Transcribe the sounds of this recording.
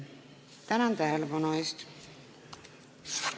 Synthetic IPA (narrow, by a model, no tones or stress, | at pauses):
t̪ænɑnt̪æɦelepɑnueːst̪